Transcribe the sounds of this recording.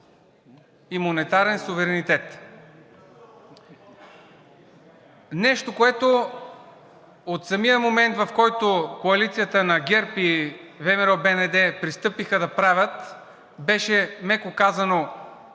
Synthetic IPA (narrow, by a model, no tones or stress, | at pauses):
imonɛt̪aɾɛnsuvɛɾɛnit̪ɛt̪ | nɛʃt̪okoɛt̪o | ot̪sɐmijəmomɛnt̪vɐfkɔjt̪okoɐlit̪sijət̪ənɐɡʲɛɾpivɛmɛɾɔbɛnɛd̪ɛpɾist̪ɤpixəd̪ɐpɾavʲət̪ | bɛʃɛmɛkokazɐno